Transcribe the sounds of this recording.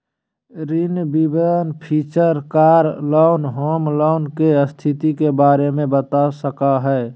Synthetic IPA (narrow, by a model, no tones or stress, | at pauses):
ɾinbibəənpʰiːt͡ʃəɾkaːɾlɔʊnɦoːmlɔʊnkeəst̪ʰit̪ikebaːɾemẽbət̪asəkaɦɛː